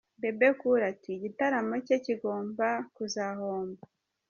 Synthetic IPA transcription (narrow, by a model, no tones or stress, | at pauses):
be̞bekuɾatiɟitaɾamo̞ceciɡo̞ːmbakuzaho̞ːmba